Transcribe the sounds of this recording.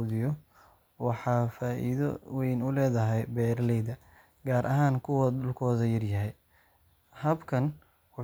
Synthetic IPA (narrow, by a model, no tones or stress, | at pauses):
ðɪjɔ | wɑħɑːfaːʔḭːðɔ̰wɛjnʊlɛːðɐɦɛjbɛːrlɛjðɐ | ɡaːɾʔɐ̰ɦaːŋkʰʊwɐd̪ʊlkʰɔːðɐjɐrjɐɦɛj | hɐbkʰɐn | wɑ